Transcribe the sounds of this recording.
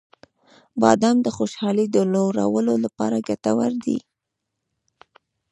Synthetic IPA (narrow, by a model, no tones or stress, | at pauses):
bɑ̰d̪amd̪əxoʃɑlid̪əloɾa̰wəlolapɑɾaɡat̪awaɾd̪ḭ